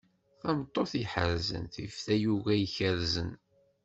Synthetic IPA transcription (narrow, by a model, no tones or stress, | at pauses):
θæmt̪ˤːoθiħəɾzə̰nθḭfθæjuɣæjçəɾzən